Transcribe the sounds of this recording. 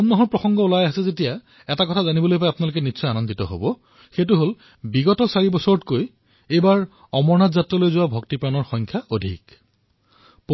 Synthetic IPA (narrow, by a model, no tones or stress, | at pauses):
ɔnːɔɦɔɹpɹɔsɔŋɡɔulajasɛzetija | ɛtakɔtʰazanibɔlojpajapʊnalokɛnitːsɔjanɔnditɔɦo̰bɔ | xetuɦol | biɡɔtɔsaɹibɔsɔɹtkoj | ejbaɹ | ɔmɔɹnatzatɹɔlojzʊwabʱɔk̚tipɹanɔɹxɔjŋkʰjaodʱḭk | p